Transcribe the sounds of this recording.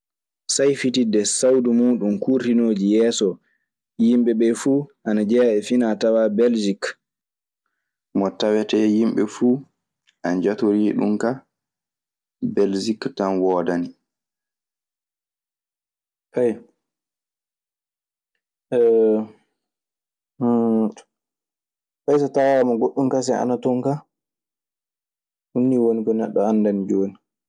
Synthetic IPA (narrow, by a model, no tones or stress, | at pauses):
sajfitidɛsawdumuːɗumkuɾtinoːd͡ʒijɛːsɔ | jimɓɛɓɛfuːʔanad͡ʒɛːɓɛfinatawabɛld͡ʒik | mɔtawɛtɛjimɓɛfuː | ʔand͡ʒatoɾiɗṵmka | bɛld͡ʒiktanwɔːdani | paj | ɛ | pajsatawamaɡoɗːumkas̬ɛa̰natɔŋka | hunːiwonikɔnɛɗːɔanːdanid͡ʒoːni